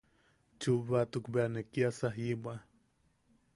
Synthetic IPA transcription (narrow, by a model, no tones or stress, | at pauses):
t͡ʃuβat̪ukbeanekiasaɦibwa